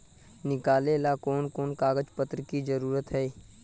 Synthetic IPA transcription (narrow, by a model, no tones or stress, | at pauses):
nɪkaːlelakoːnkoːnkaːɡəd͡ʒpət̪ɾəkid͡ʒəɾuːɾət̪ɦɛ